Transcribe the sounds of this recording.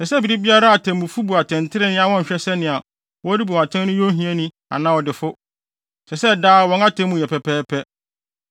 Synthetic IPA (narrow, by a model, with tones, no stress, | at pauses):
sɛ˨sɛ˦bi˨ɾi˦bi˦a˦ɾa˦a˨tʰɛ̃˨mũ˨fu˦bu˨a˨tʰɛ̃˨ntʰɪ˦ɾɪ˦nɪ̃˦a˨wɔ̃˦ɲ̩˨ɕᶣɛ˦sɛ˦nɪ̃˨a˨ | wɔ˦ɾi˦bu˨a˨tʰã˦nʊ̃˦jõ˦ɦĩ˦ɛ˦nĩ˦ | a̰˨nã˦˨ɔ˨dɪ˨fʊ˦ | sɛ˨sɛ˦˨daː˦wɔ̃˦ŋa˦tʰɛ̃˦mũ˨jɛ˨pʰɛ˨pʰɛː˦pʰɛ˦